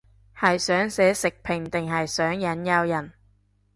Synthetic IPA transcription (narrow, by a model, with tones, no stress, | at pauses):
hɐ˨jsœː˨˥ŋsɛː˨˥sɪ˨k̚pʰɪ˨˩ŋt̪ɪ˨ŋɦɐ˨jsœː˨˥ŋjɐ˨˥njɐ˧wjɐ˨˩n